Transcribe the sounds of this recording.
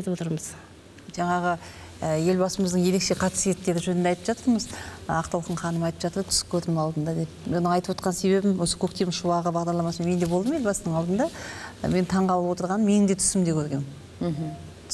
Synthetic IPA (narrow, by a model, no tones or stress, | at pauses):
t̪əpwot̪əɾməz̥ | ʒɑɴɑʁə | əje̞lbɑsəməzd̪əɴje̞ɾe̞kʃe̞qʰɑt̪sije̞t̪ːeɾɪʒɵnɪnd̪eɑjt̪əpʒɑt̪əɾməzɑqt̪ɑlˠəq̪əɴχʰɑnəmɑjt̪ə̥pʒɑt̪əɾt̪ʰʏ̥ɪ̥kʲʰːɵɾd̪ɪmɑlˠd̪ənd̪ɑd̪epo̞nəɴɑjt̪əpwot̪qɑnse̞βe̞bɪmwo̞sə̥kʲʰɵk̚t̪emʃuɑʁəbɑʁd̪ɑɾlˠɑmɑsəmeme̞nd̪e̞bod̪əmje̞lbɑsənəɴɑlˠd̪ənd̪ɑ̰me̞nt̪ʰɑɴʁɑlˠəpwo̞t̪əɾʁɑnəmenɪŋd̪et̪ʰʏ̥sɪmd̪ekʲʰɵɾɡʲe̞nɪ